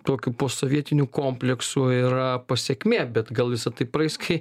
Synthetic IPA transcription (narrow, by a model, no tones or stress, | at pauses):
t̪oːkʲuːpoːsoːʋʲiɛt̪ʲɪnʲukoːmʲpʲlʲɛksuiɾɐpɐsʲɛːkʲmʲeːbʲɛt̪ɡɐlˠʋʲɪsɐt̪ɐɪpɾɐɪskʰɐɪ